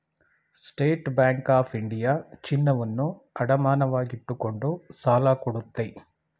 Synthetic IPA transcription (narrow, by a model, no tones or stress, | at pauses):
sʈeːʈbjaːŋkaːpʰiɳɖijaːt͡ʃinːɐʋɐnːu | ɐɽɐmaːnɐʋaːɡiʈːukoɳɖusaːlaːkuɽut̪ːɐj